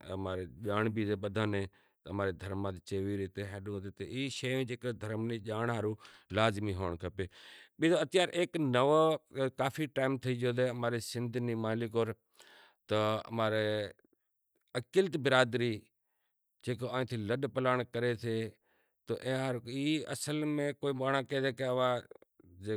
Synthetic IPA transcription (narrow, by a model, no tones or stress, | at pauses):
əmaːɾeʄaːɳbiːzeːɓəd̪ʱaːnẽː | t̪əmaːɾeːd̪ʱəɾmãːt̪et͡ʃeːʋiːɾeːt̪eːɦɛːɗũd̪eːt̪əʔiːʃəjõd͡ʒeːkod̪ʱəɾmniʄaːɳaːɾuːlaːzmiɦoːɳkʰəpeːɓiːzoət̪ɪjaːɾʔeːknəʋkaːfiːʈaːɪmt̪ʰiiːd͡ʒoːd̪eːəmaːɾesɪ̃nd̪ʱniːmaːlɪkoːɾ | t̪əɐ̰maːɾe | əkɪlt̪bɪɾaːd̪ɾiː | d͡ʒeːkoaːĩːt̪ʰiːləɗpəlaːɳ̃kəɾet̪ʰeː | t̪o̰ʔẽːaːɾiəsəlmẽkoːiɓaːɽ̃aːkeːd͡ʒeːkeʋaːd͡ʒe